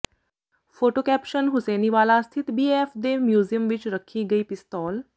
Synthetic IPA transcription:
pʰoːʈoːkɛːpʃənɦʊsɛːniːʋaːlast̪ʰɪt̪biːeːpʰd̪eːmjuːzijəmʋɪt͡ʃɾəkʰːiːɡəiːpɪst̪ɔːl

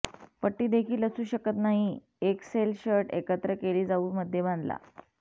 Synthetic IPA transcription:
pəʈːiːd̪ekʰiːləsuːɕəkət̪naɦi | ekselɕəɾʈekət̪ɾəkeliːd͡zauːməd̪ʱːjebãnd̪la̰

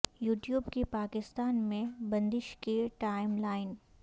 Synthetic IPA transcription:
juːʈjuːbkepaːkɪst̪aːnmẽbɐ̃nd̪ɪʃkeʈaːɪmlaːɪn

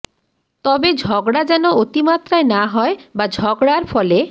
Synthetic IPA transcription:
t̪ɔbed͡ʑʱɔɡɽad͡ʑɛnoot̪imat̪ɾaenaɦɔebad͡ʑʱɔɡɽaɾfʰɔle

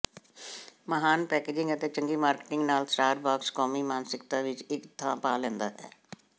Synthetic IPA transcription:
məɦaːnpɛːkeːd͡ʒɪ̃ŋɡət̪et͡ʃə̃ŋɡiːmaːɾkʈɪ̃ŋɡnaːlsʈaːɾbaːkskɔːmimaːnsɪkt̪aʋɪt͡ʃɪkd̪ʰʱãːpaːlɛ̃ːnd̪aːɦɛ̰ː

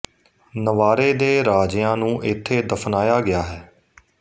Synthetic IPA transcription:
nəʋaːɾeːd̪eːɾaːd͡ʒjãːnũːʔɪt̪ʰːeːd̪əfʰnaːjaːɡɪaːɦɛː

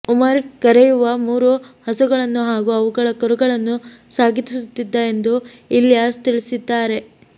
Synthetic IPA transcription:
umɐɾkɐɾejuʋɐmuːɾuhɐsuɡɐɭɐnːuɦaːɡuːɐʋuɡɐɭɐkɔɾuɡɐɭɐnːusaːɡʱit̪isut̪ːid̪ːɐe̞nd̪u | ilːjaːst̪iɭisid̪ːaːɾe̞

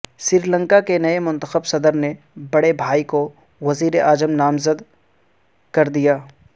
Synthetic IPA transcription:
sɪɾilə̃ŋkakenɐemʊ̃nt̪əxəbsɐd̪əɾne | bɐɽebʱaːiko | ʋɐziːɾeʔaːd͡ʒəmnaːmzəd̪ | kɐɾd̪ijaː

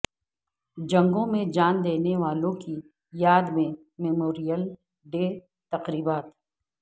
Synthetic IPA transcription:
d͡ʒɐ̃ŋɡõmẽd͡ʒaːnd̪eːneʋaːlõki | jaːd̪mẽ | mɛmoːɾijəl | ɖeː | t̪ɐqɾiːbaːt̪

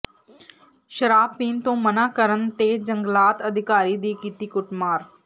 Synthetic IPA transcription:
ʃəɾaːbpiːnt̪õːmənaːkəɾənt̪eːd͡ʒəŋɡlaːt̪əd̪ʱɪkaːɾiːd̪iːkiːt̪iːkʊʈmaːɾ

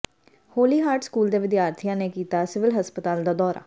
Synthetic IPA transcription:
hoːliːɦaːɾʈskuːld̪eːʋɪd̪jaːɾt̪ʰijãːneːkiːt̪aːsɪʋɪlɦəspət̪aːld̪aːd̪ɔːɾa̰ː

